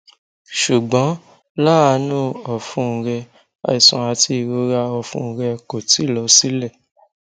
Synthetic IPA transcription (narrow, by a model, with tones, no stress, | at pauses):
ʃu˨ɡ͡bɔ̃˨˦ | la˦˨a˧nũ˦˨ɔ˨fũ˦˨˧ɾɛ˧ | a̰˧˨i˨sũ˨a˧ti˧˦˨ɾo˧˦ɾa˧ɔ˧˨fṵ̃˦˨˧ɾɛ˧ko˨ti˨˦˨lɔ˨˦si˦lɛ˦˨